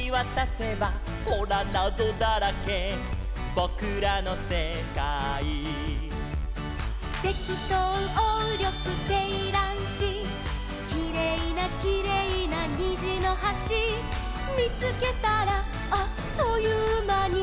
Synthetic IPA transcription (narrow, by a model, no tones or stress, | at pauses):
βat̪ase̞ba | koɾanado̞d̪aɾake | bo̞kɯ̟ɾano̞se | kai | t̪e̞kʲit̪oɯoɾʲjo̞kɯ̟se̞iɾãɰ̃ɕi | kʲiɾe̞inakʲiɾe̞inaɲiʑino̞ɦaɕi | mʲit͡sɨke̞t̪aɾaː | t̪ojɯmaɲʲi